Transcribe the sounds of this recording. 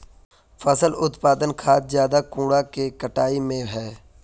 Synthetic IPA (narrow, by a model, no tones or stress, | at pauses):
fʰəsəlʊt̪paːd̪ənkʰaːt̪zjaːd̪akũːɽakekəʈaːimẽɦɛː